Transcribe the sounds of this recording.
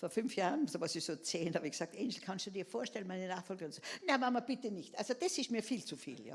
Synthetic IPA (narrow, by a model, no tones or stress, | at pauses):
foːɐfʏnfjaːʁnsoːvasɪçsoːt͡seːnhɑbɪçɡ̥sɑːk̚tʔɛnsl̩kʰanstd̥uːd̥iːɐfoːɐʃtɛlənmaɪnənaːxfɔlɡəʊntsonamamɐb̥ɪtənɪçtʔalsod̥esɪstmiːɐfiːlt͡sufḭːlja̰ː